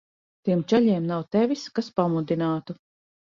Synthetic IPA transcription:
t̪iɛmt͡ʃɛʎʲiɛmnawt̪ɛvʲiskaspamud̪inaːt̪u

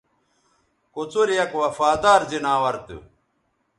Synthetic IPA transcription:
kut͡suɾjɐkwɐfaːd̪aːɾzinaːwɐɾt̪ɨ̰

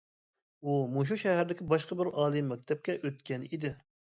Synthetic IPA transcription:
umoʃ̬uʃɛɦæɾd̪ɪkʲibɑʃqəbɪɾɑːlˠɨmːɛk̚ʲt̪ʰɛp̚kʲɛʔøt̪̚kʲɛnid̪ɪ

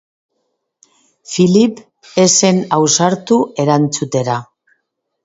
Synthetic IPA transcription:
filip | e̞se̞nawsaɾt̪ue̞ɾant͡sut̪e̞ɾa

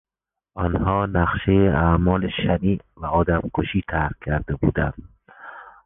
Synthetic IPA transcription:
ɒnhɒːnæqʃejeʔamɒːleʃæniːvæɒːd̪æmkʰoʃiːt̪ʰæɾɾkʲʰːæɾd̪ebṵːd̪æ̰nd̪̥

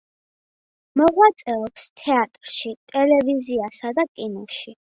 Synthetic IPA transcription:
mɔʁwat̪sʼɛɔpst̪ʰɛat̪ʼɾʃit̪ʼɛlɛviziasad̪akʼinɔʃi

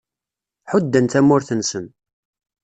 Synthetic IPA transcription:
ħʊd̪ːənt̪æmːʊɾθənsən

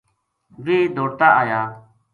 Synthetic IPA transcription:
ʋiːd̪ʱoːɽt̪aːʔaːjaː

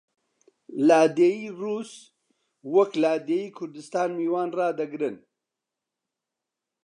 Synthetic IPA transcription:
laːd̪eːjiːruːs | wɐklaːd̪eːjiːkʰʊɾd̪ɨst̪aːnmiːwaːnraːd̪ɐɡɾɨn

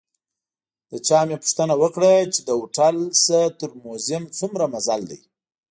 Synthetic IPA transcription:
d̪̥ət͡ʃɑmjepu̥ʂt̪ənawəkɽat͡ʃed̪əuʈalsət̪əɾmozɪmt͡sumɾamazald̪a̰j

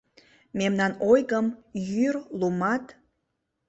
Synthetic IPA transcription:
mʲemnanojɡəmjyrlumatʰʼ

